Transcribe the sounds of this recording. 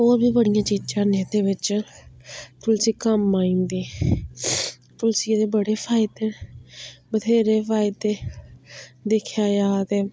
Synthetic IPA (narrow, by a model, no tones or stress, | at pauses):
oːɾbiːbəɽɪjãːt͡ʃiːd͡ʒãːnẽːd̪eːʋɪt͡ʃ | t̪ʊlsiːkəmaːĩːnd̪eː | t̪ʊlsid̪eːbəɽeːpʰaːɪd̪eː | bəd̪eːɾeːpʰaːɪd̪eː | d̪ekʰjaːjaːt̪eː